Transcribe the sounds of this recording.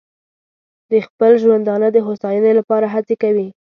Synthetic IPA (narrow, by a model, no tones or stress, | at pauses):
d̪əxpəlʒwand̪ɑnəd̪əɦosɑjənelapɑɾaɦat͡sekawi